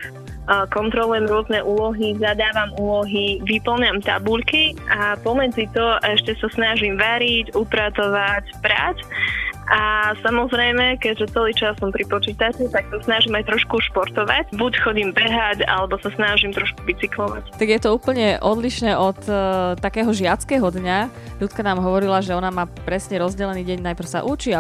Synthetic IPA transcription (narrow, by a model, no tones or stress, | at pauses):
kɔnt̪ɾɔlujɛmɾʊɔznɛʔuːlɔɦizad̪aːʋamuːlɔɦiʋipl̩ɲamt̪a̰buʎkiʔapɔmɛd͡zit̪ɔʔɛʃcɛsasnaʒimʋaɾicupɾat͡sɔʋacpɾacʔasamɔzɾɛjmɛkɛɟʒɛt͡sɛliːt͡ʃasːɔmpɾipɔt͡ʃiːt̪at͡ʃut̪ak̚sɔsnaʒimajt̪ɾɔʃkuʃpɔɾt̪ɔʋa̰cbucxɔɟimbɛɦaca̰lɛbɔsasnaʒimt̪ɾɔʃkuʋit͡siklɔʋa̰ct̪aɡjɛt̪ɔuːpl̩ɲɛʔɔd̪liʃnɛːʔɔt̪ːakɛːɦɔʒɪat͡skɛːɦɔd̪ɲa | ʎut͡skanaːmɦɔʋɔɾilaʒɛɔnamaːpɾɛsɲɛɾɔzɟɛlɛniːɟɛɲnajpɾ̩sa̰ʔut͡ʃia